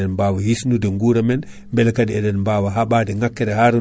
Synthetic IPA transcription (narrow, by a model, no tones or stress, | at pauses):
ɛnmbawahisnudɛŋɡuɾamɛn | mbɛlkadiɛdɛnmbawaɦaɓaːdɛŋakːɛdɛhaɾu